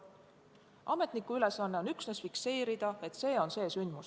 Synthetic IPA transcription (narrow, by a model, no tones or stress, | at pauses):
ʔɑme̞t̪ˑnikuyle̞sɑnːe̞onyksnesfikse̞ːɾid̪̥ɑe̞t̪ːˑse̞ːo̞nse̞ːsynd̪mus